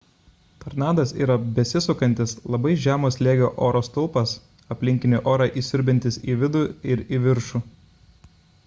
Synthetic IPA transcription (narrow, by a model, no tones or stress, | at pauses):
t̪ɐɾnɑːd̪ɐsiːɾɐbʲɛsʲɪsʊkɐnʲt̪ʲɪslˠɐbɐɪʒʲæːmoːslʲeːɡʲoːʔoːɾoːst̪ʊlˠpɐs | ɐpʲlʲɪŋʲkʲɪnʲoːˑʔoːɾɑʔisʲɪɾʲbʲɛnʲt̪ʲɪsiʋʲɪd̪ʊɪɾiːʋʲɪɾʃuː